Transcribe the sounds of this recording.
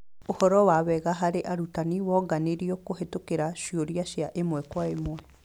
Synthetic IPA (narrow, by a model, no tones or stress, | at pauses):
ohɔɾɔwaβɛɣaɦaɾeʔaɾutaniwɔɡaneɾiɔkoɦetokeɾaʃioɾiaʃjaʔemwɛkwaemwɛ